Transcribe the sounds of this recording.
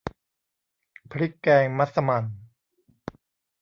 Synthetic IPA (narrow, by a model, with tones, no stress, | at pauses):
pʰɾi˦˥kːɛː˧ŋma˦˥t̪̚sa˧ma˧n